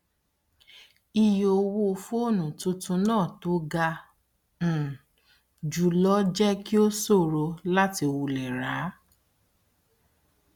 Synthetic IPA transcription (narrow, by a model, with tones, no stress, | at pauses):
i˧jo˨˧wo˦˧fo˦o˦˨nũ˨tũ˧tũ˧nãː˦˨to˨˦ɡã˧˨ | d͡ʒu˨lɔ˦d͡ʒɛ˦ki˦o˦so˦˨ɾo˧la˦ti˧o˧wu˧lɛ˨ɾa˨˦